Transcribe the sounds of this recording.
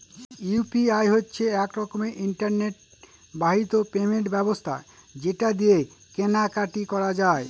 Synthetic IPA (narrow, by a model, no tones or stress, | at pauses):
upiajɦotːɕʰeɛkɾɔkomeʔiɳʈaɾneʈ̚ | baɦit̪opemeɳʈbɛbost̪ʰa̰d͡ʑeʈad̪ijekenakaʈikɔɾad͡ʑae